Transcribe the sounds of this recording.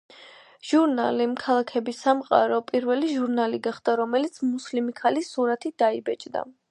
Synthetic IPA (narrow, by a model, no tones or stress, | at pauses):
ʒ̥uɾnalimkʰalˠakʰɛbisamqʼa̰ɾɔpʼiɾvɛliʒuɾnaliɡaχd̪aɾɔmɛlit̪sʰmuslimikʰalisuɾat̪ʰid̪aibɛt͡ʃʼd̪a̰